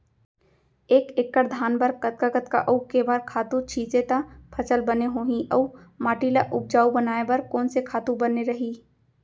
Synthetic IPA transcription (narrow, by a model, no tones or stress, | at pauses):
eːkekːəɾd̪ʱaːnbəɾkət̪̚kakət̪ka̰ʔəukebaːɾkʰaːt̪ut͡ʃʰiːt͡ʃet̪apʰət͡ʃəlbəneɦoːɦĩʔəumaːʈilaʔʊp̚d͡ʒaːubənaːebəɾkɔːnsekʰaːt̪ubəneɾəɦi